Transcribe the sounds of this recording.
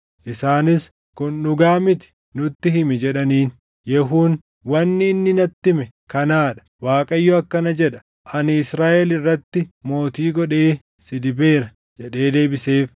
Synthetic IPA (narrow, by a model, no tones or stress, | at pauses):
ʔɪsaːnɪs | kʊnːʊɡaːmɪt̪ɪ̥ | nʊt̪ːɪɦɪmɪd͡ʒɛᶑɐniːn | jɛɦuːn | wɐnːɪːnːɪnɐt̪ːɪmɛ | kɐnaːᶑɐ̥waːkʼɐjːɔɐkːɐnɐd͡ʒɛᶑɐ̥ | ʔɐnɪɪsɾaːʔɛlɪrːɐt̪ːɪmo̞ːt̪iːɡɔɗe̞ː | sɪd̪ɪbe̞ːɾɐ | d͡ʒɛᶑe̞ːd̪e̞ːbɪseːf